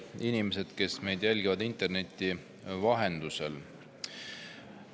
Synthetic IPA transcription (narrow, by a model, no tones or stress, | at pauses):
inimese̞d̪̥ke̞sme̞jd̪jælʲɡivɑd̪int̪e̞rne̞t̪ːˑi | vɑɦend̪̥use̞̰l